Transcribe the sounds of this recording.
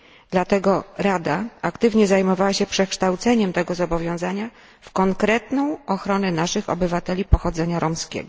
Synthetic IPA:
d̪lat̪ɛɡɔɾad̪aakt̪ɘvɲɛzajmɔvawaɕɛpʂɛkʂt̪awt̪sɛɲɛmt̪ɛɡɔzɔbɔvʲjɔ̃w̃zaɲa | fkɔŋkɾɛt̪nɔ̃w̃ɔxɾɔnɛnaʂɘxɔ̰bɘvat̪ɛlʲipɔxɔd̪zɛɲaɾɔmskʲɛ̰ɡɔ

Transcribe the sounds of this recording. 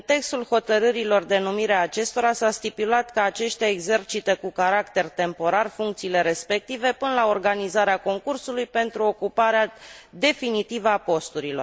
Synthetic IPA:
ɨnt̪e̞kst̪ulho̞t̪əɾɨɾilo̞rd̪e̞numiɾeaːt͡ʃe̞st̪o̞ɾasast̪ipulat̪kəat͡ʃe̞ʃt̪eaeɡze̞rt͡ʃit̪ekukaɾakt̪e̞rt̪e̞mpo̞ɾarfuŋkt̪siːle̞ɾe̞spe̞k̚t̪ive̞pɨnəlao̞rɡanizaɾeako̞ŋkursulujpe̞nt̪ɾuo̞kupaɾead̪e̞finit̪ivəapo̞st̪uɾilo̞r

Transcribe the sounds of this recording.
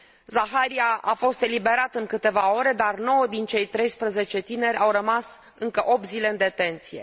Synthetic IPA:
zaxaɾiaafo̞st̪e̞libe̞ɾat̪ɨŋkɨt̪e̞vao̞ɾe̞d̪arno̞wəd̪int͡ʃe̞jt̪ɾe̞jspɾəze̞t͡ʃe̞t̪ine̞ɾʲawɾəmas | ɨŋkəʔo̞p̚t̪zile̞ɨnd̪e̞t̪e̞nt̪sije̞̰

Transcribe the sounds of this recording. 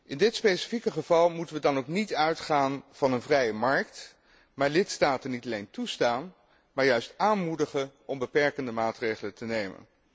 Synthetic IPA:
ʔɪndɪtspejsi̥fikəχəv̥ɑlˠmutənʋədɑnowknitœɥtχaːnv̥ɑnənvrɛjəmɑɹkt | maːɹlɪtstaːtənːitɑlejntustaːn | maːɹjœɥstaːnmudəχəʔɔmbəpɛɹkəndəmaːtrejχələtənejmə̰n

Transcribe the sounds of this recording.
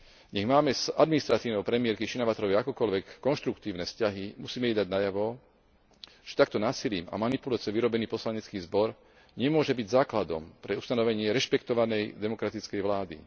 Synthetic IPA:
ɲɛɣmaːmɛzad̪minist̪ɾat̪iːʊnɔʊpɾɛmɪɛɾkiʃinaʋat̪ɔɾɔʋjɛakɔkɔlʋɛkːɔnʃt̪ɾukt̪iːʊnɛfscaɦimusiːmɛɛd̪aɟnajaʋɔ | ʒ̥ɛ̥t̪ak̚t̪ɔnaːsiliːma̰manipulat͡siɔʋiɾɔbɛniːpɔslaɲɛt͡skiːzbɔɾ | ɲɛmʊɔʒɛbiɟzaːklad̪ɔ̰mpɾɛust̪anɔʋɛɲɪɛɾɛʃpɛkt̪ɔʋanɛjd̪ɛmɔkɾat̪it͡skɛjʋlaːd̪ḭ

